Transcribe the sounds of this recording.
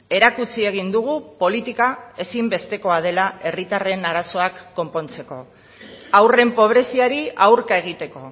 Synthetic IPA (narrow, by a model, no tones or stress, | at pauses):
e̞ɾakut͡sie̞ɣ̞ind̪uɣ̞upo̞lit̪ikae̞simbe̞st̪e̞ko̞að̞e̞lae̞rit̪are̞naɾaso̞akːo̞mpo̞nt͡se̞ko̞ | awre̞mpo̞β̞ɾe̞siaɾiawɾkae̞ɣ̞it̪e̞ko̞